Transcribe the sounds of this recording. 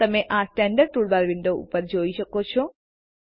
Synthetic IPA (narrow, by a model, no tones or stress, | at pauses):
t̪ɐmeʔaːsʈɛːɳɖəɾʈuːɭbaːɾʋinɖ̪oṵpːɐɾd͡ʒoːit͡ʃɐkːoːt͡ʃʰu